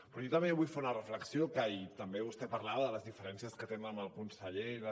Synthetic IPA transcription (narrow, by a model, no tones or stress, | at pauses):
pɾɔjot̪əmbeβujfeunərəfləksiokajit̪əmbeβust̪ɛpəɾlaðələzðifəɾɛnsijəskət̪enəməlˠkunsəʎeɾ